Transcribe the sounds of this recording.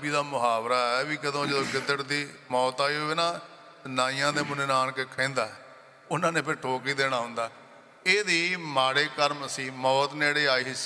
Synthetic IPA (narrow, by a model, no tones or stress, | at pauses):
biːd̪aːmʊɦaːbɾaːɛːʋiːkəd̪õːd͡ʒəd̪õːkɪd̪əʈd̪iːmɔːt̪aːiːɦoːeːnaː | naːijãːd̪eːmʊneːnaːnkekʰɛ̃ːnd̪aːɛ | ʊnãːneːpɪʈʰoːkiːd̪eːɽ̃aːɦʊ̃ːnd̪aː | eːd̪iːmaːɽeːkəɾməsĩːmɔːt̪neːɽeːaːiːɦɪs